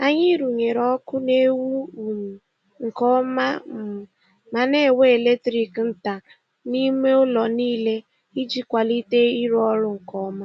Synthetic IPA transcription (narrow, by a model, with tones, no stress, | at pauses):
a˦ɲɪ˦ɾu˨ɲe˨ɾɔ˦kʊ˦ne˦wu˦˨ | ŋ̩˨kɔ˦ma˦m̩˨ | ma˨ne˦˨we˦e˨le˦tɾi˨kn̩˦ta˨ | ni˦me˦ʊ˦lɔ˨niː˦le˦ | i˦d͡ʒi˦kʷa˨li˦te˦i˦ɾɔ˦ɾʊ˦ŋ̩˨kɔ˦ma˦